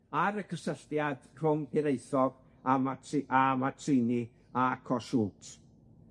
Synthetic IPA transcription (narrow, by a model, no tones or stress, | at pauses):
aɾəkʰəsəɬtjad̥r̥ʊŋpɪɾejθɔɡ̥ | amatʰʔamatʰrɪni | aakʰɔsuːtʰ